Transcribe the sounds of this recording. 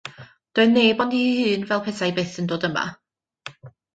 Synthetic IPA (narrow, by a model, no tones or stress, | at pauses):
d̥oːɨneːbɔndihɨːnvɛlˠpʰɛsajbeθəndoːdəma̰